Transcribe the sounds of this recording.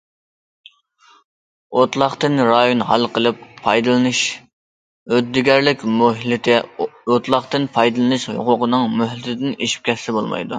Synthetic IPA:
ot̪lˠɑχt̪ɨnɾɑjonɦɑlˠqəlˠɨpʰːɑjd̪ɨlˠɨnɨʃ | ød̪ːɪɡʲɛɾlɪkʲmoɦlɪt̪ʰɪot̪lˠɑχt̪ɨnpʰɑjd̪ɨlˠɨnɨʃho̰qʊqənɨŋmøɦlɪt̪ʰɪd̪ɪneʃi̥p̚kʲʰɛsɪbolˠmɑ̰jd̪u

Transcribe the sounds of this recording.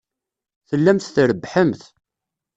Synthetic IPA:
θəlːæmθθɾəbːħəmθ

